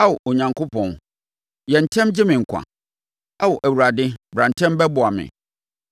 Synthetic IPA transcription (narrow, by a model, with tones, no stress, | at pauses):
a˦wo˨ʔo˨ɲã˨ŋko˦pʰɔ̃˨n | jɛ˨n̩˨tʰɛ̃˦md͡ʑɪ˦mɪ̃˨ŋ̩˨kʷʰã̰˨ | a˦wʊ˨ʔæ˨wu˨ɾa˨dɪ̃˦bɾã˨n̩˨tʰɛ̃˦mbɛ˦bʊ˨a˨mɪ̰̃˨